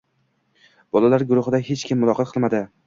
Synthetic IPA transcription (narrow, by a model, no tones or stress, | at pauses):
b̥ɒlalaɾɡʊɾʊχɪd̪ahe̞t͡ʃkʲʰɪmːʊlˠɒqʰɑt̪̚qʰɨlˠmad̪ɪ